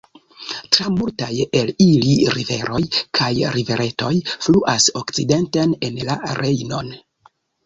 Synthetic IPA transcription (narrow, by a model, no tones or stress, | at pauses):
tɾamultaje̞liliɾive̞̰ɾo̞jkʰajɾive̞ɾʔe̞to̞jfluʔaso̞kt͡side̞ntene̞nla̰ɾe̞jno̞n